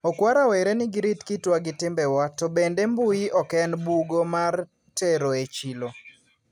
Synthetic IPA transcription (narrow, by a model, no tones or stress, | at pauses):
okwaɾaweɾenɪɡɪɾitkitwaɡɪtɪmbɛwatobendembʊiʔɔkɛnbuɡomar | teɾoet͡ʃilo